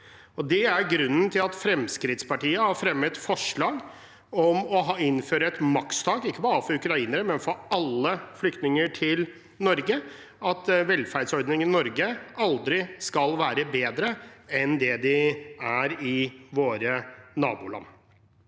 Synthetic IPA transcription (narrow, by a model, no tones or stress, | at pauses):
ɔd̪ɛæɾɡɾʉnːənt̪ʰɪlɑt̪fɾɛmskɾɪt̪spɑʈiːəhɑɾfɾɛmːət̪fɔʂɭɑːɡ | ɔmɔɦɑːɪnføːɾəɛt̪mɑkst̪ʰɑːɡɪkːəbɑːɾəfɔɾʉkɾɑiːnəɾəmɛnfɔɾɑlːəflʏkt̪nɪŋəʈʰɪl | nɔɾɡə | ɑt̪ʋɛlfæɾɖ̪sɔɾd̪nɪŋənɔɾɡəɑld̪ɾɪskɑlʋæːɾəbeːd̪ɾəɛnd̪ɛd̪ɪæɾɪʋoːɾənɑːbʊ̰ːlɑ̰nː